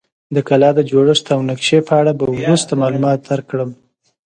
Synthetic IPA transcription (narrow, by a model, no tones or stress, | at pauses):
d̪əkalɑd̪əd͡ʒoɽəʂt̪awnakʃepəaɽabawɾust̪amɑlumɑt̪̚d̪aɾkːɽəm